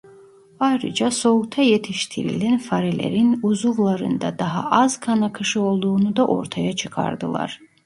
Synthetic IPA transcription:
baɾɯd͡ʒaso̞ukt̪ʰajet̪ʰiʃt̪ʰiɾḭlænfaɾilʲḛɾinuzuvlˠaɾɯ̰nd̪a̰d̪aɦa̰ʔazkʰanakʰɯʃɯo̞lˠd̪uːnud̪aʔo̞̰ɾt̪ʰajat͡ʃʰɯkʰa̰ɾd̪ɯlˠa̰ɾ̥

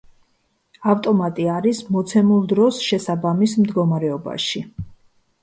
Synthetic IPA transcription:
aft̪ʼɔmat̪ʼiaɾismɔt̪sʰɛmulˠd̪ɾɔsʃɛsabamismd̪ɡɔmaɾɛɔba̰ʃi

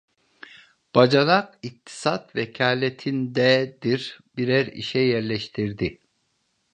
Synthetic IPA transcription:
b̥ad͡ʒanaqik̚t̪ʰi̥sat̪vɛcʰaːlʲet̪ʰind̪ɛd̪iɾbiɾæɾḭʃɛjɛɾlʲɛʃt̪ʰiɾd̪i

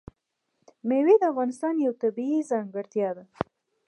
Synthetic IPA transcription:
mewid̪əafɣɑnɪst̪ɑnjawt̪abiizɑŋɡəɽt̪jɑd̪a

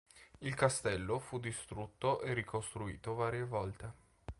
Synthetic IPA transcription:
ilkast̪ɛlːofud̪ːist̪ɾut̪ːoʔerːikost̪ɾuḭːt̪ovaːɾjevɔlt̪e

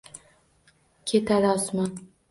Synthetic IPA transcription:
kʲʰet̪ʰalɒsman

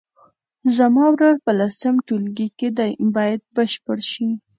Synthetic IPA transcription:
zamɑwɾaɾpəlasamʈulɡiked̪bɑjad̪̚bəʃpəɽʃi

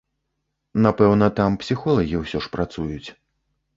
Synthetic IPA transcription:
napɛwnɐt̪ampsʲixɔlˠɐɣʲiwsʲɔʂpɾat̪sujut͡sʲ

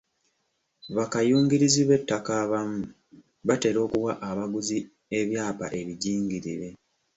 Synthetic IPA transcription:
βakajuːŋɡiɾiziβe̞tːakaβamu | βate̞ɾo̞ːkuwaʔaβaɡuzi | e̞βjaːpa̰ʔe̞βiɟiːŋɡiɾiɾe̞

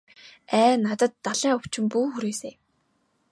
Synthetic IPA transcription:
æːnat̪ə̆t̪ːaɮiːŋɵw̥t͡ɕɪ̆mpuːxuɾeːseː

